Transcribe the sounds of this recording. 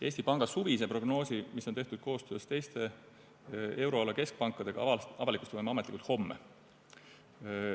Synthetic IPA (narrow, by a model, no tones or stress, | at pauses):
e̞ːsʲt̪ipɑŋɡ̥ɑsuvisepro̞ɡ̥no̞ːsimisːo̞nt̪e̞ht̪ud̪̥̚kʰo̞ːst̪øːst̪e̞jst̪e̞ | e̞wɾo̞ɑlɑke̞sk̚pɑŋkːˑɑd̪̥e̞ɡ̥ɑʔɑvɑlikˑust̪vɤjmeɑmet̪likult̪ho̞mːe